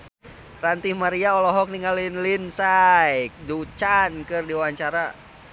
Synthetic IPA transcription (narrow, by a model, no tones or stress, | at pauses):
rant̪ihmaɾiaɔlɔɦɔk̚niŋalinlinsajk̚dut͡ʃankɨrdiwaɲt͡ʃaɾa